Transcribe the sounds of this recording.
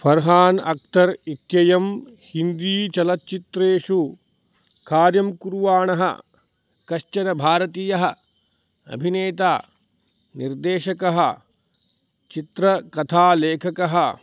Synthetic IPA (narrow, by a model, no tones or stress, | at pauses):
fɐɾɦaːnɐ̰k̚t̪ɐɾit̪jɐjɐm | hind̪iːt͡ʃɐlɐtt͡ʃit̪ɾeːʂu | kaːɾjɐmkuɾʋaːɳɐɦɐ̰ | kɐʃt͡ʃɐnɐbʱaːɾɐt̪iːjɐɦɐ | ɐ̰bʱineːt̪aː | niɾd̪eːʃɐkɐɦɐ | t͡ʃit̪ɾɐkɐt̪ʰaːleːkʰɐkɐɦɐ